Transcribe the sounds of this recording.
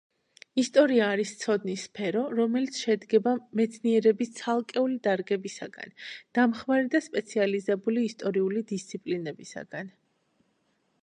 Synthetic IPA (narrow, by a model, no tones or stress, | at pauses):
ist̪ʼɔɾiaːɾist̪sʰɔd̪nisːpʰɛɾɔɾɔmɛlit̪sʰʃɛd̪ɡɛbamɛt̪sʰniɛɾɛbist̪sʰalˠkʼɛulid̪aɾɡɛbisa̰ɡa̰nd̪̥amχmaɾid̪aspʼɛt̪sʰializɛbuliːst̪ʼɔɾiulid̪ist̪sʰipʼlinɛbisa̰ɡan